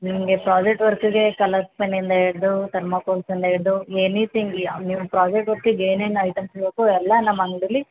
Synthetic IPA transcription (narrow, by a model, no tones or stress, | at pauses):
nimɐɡe̞pɾaːd͡ʒek̚ʈʋɐɾkiɡe̞kɐlɐspɐnind̪ɐeɽd̪ut̪ɐɾmɐkoːlsind̪ɐeɽd̪uenit̪ʰiŋɡaniːʋupɾaːd͡ʒek̚ʈʋɐɾkːeɡeːneːnɐjʈ̪ɐmsbeːkuɛlːɐnɐmːɐŋɡɖili